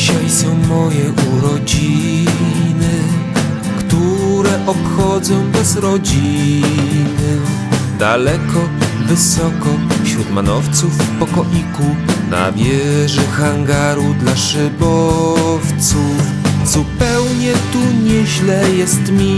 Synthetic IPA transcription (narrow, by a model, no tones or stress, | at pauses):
ɕajsɔ̃w̃mɔjɛʔuɾɔd͡ʑi | nɘ | kt̪uɾɛʔɔpxɔd̪zɔ̃w̃bɛzɾɔd͡ʑi | nɘ | d̪alɛkɔvɘsɔkɔfɕɾut̪manɔft̪sufipɔkɔʔikuna̰vʲjɛʐɛxaŋɡaɾud̪laʂɘbɔft̪sufzupɛwɲɛt̪uɲɛʑlɛjɛst̪mʲi